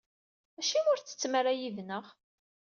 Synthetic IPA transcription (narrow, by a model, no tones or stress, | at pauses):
æʃimʊɾt͡sːə̥t͡sːməɾæjiðnəʁ